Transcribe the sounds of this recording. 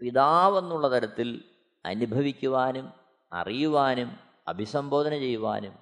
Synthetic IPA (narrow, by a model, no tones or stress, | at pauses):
piðaːʋe̞nːuɭːɐt̪ɐɾɐt̪ːil | ɐ̰nubʱɐʋikʲːuʋaːnum | ɐ̰rijuʋaːnum | ɐ̰bʱisɐmbʱo̞ːd̪ʱɐnɐt͡ɕe̞jːuʋa̰ːnum